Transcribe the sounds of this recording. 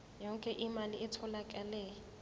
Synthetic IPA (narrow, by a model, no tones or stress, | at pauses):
jɔŋkʼɛʔimalɪʔɪtʰɔlakʼɛlɛː